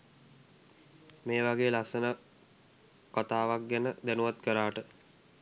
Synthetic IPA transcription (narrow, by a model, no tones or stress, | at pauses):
meːʋaɡeːlasənə | kat̪aːʋak̚ɡænəd̪ænuʋat̪kəɾaːʈə